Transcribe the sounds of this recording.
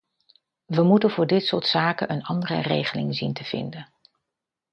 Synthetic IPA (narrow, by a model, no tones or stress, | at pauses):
ʋəmutənvʊːɹdɪtsʊːɹtsaːkənʔənɑndərə̰rejχəlɪŋzintəv̥ɪ̰ndən